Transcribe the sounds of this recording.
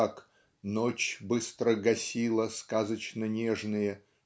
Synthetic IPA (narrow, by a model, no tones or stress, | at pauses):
ak | not͡ɕbɨst̪ɾəɡɐsʲilˠəskazət͡ɕnənʲeʐnɨjə